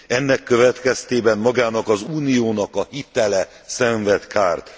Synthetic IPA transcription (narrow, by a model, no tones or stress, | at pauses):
ɛnːɛkːø̞vɛt̪kɛst̪eːbɛmmɒɡaːnɒkɒzuːnijoːnɒkɒhit̪ɛlɛ | sɛɱvɛt̪kʰaːrt̪